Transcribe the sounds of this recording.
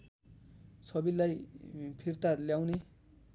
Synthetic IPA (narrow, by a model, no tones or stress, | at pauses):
sʌbilajpʰirt̪aljawne